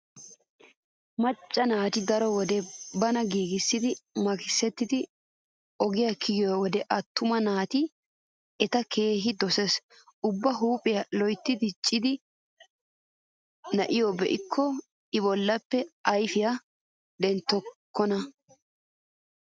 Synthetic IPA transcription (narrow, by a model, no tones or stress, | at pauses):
mɐt͡ʃʼːɐnaːt̪ɪd̪ɐɾɔwɔd̪ɛbɐnɐɡiːɡɪsːɪd̪ɪmɐkɪsːɛt̪ːɪd̪ɪ | ʔɔɡɪjakʰɪɡɪjwɔd̪ɛʔɐt̪ːʊmɐnaːt̪ɪ | ɛt̪ɐke̞ːɦɪd̪ɔses | ʊbːɐɦuːpʼɪjɐlɔjt̪ːɪd̪ɪt͡ʃʼːɪd̪ɪ | nɐʔɪjɔbɛʔɪkʰːɔ | ɪbɔlːɐpːɛɐjfɪja | d̪ɛnt̪ːɔkʰːɔnɐ